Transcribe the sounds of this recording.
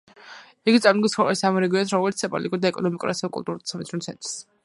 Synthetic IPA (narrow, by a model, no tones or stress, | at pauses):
iɡit̪sʼamnd̪ɡit̪sχɔɾɛ̰isamɔɾɛɡiɛnsɾɔmɛlit̪sɛpʼɔ̰likʼuɾd̪aɛkʼɔnɔmikʼṵɾasɛvɛkʼṵlˠt̪ʼuɾt̪sʰamɛt̪sʰunt̪sʰɛ̰nt̪ʼɾs